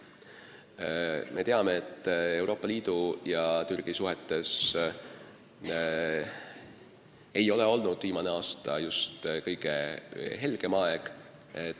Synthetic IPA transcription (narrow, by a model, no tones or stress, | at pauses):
mʔe̞t̪e̞ɑme̞et̪ːˑe̞wɾoːpːˑɑliːd̪̥ujɑt̪yrɡ̥isuɦet̪ːˑe̞s | e̞jo̞le̞o̞lnud̪̥viːmɑne̞ɑːst̪ɑ̰just̪kɤjɡ̥e̞ɦe̞lɡ̥e̞mɑeɡ̥ | e